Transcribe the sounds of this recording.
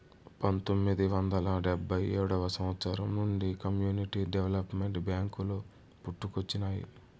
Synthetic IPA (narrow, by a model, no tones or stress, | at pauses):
pɐnt̪omːid̪iʋɐnd̪ɐlɐɖebʱːɐjeːɽɐʋɐsɐmɐt̪saːɾɐmnuɳɖikɐmjuːniʈiɖeʋelɐpmeɳʈbjaːŋkuloː | puʈːukot͡ʃːinaːjḭ